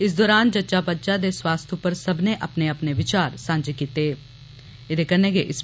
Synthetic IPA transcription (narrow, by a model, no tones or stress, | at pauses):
ɪs̬d̪ɔːɾaːnd͡ʒɐtːʃapɐtːʃad̪eswaːst̪ʰupəɾsɐbʱneʔɐpneɐpneʋɪt͡ʃaːɾsãːnd͡ʒkiːt̪eː | ɪd̪ekɐɾnekeʔɪs